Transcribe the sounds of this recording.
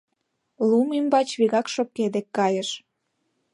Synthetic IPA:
lumimbɑt͡ɕβiɣɑkʃop̚ked̪ekːɑjə̆ʃ

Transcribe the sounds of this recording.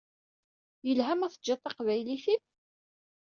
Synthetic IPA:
jəlɦæmæθəd͡ʒːɑt̪ˤːɑqvæjliθið

